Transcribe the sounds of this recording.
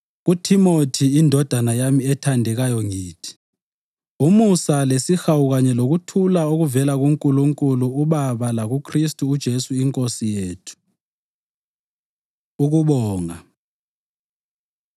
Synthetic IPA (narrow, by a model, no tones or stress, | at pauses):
ɣutʰimotʰiːndʱɔd̥ʱanajamiɛtʰandʱɛɣajɔŋiːtʰi̥ | umusalesixawuɣaɲɛloɣutʰulaoɣuvɛlaɣuŋkʼuluŋkʼuluːɓaβalaɣukʰristʼuːd̥ʒ̥ʱesuiŋkʼosijeːtʰu̥ | uɣuɓɔːŋa